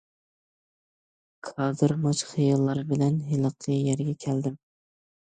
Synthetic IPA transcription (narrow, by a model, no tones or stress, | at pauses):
kʰɑd̪ɨɾmɑt͡ʃχɨjɑlˠːɑɾɨbɪlɛnɦɪlˠɨqʰɨjæɾɡʲɛkʲʰæld̪ɪm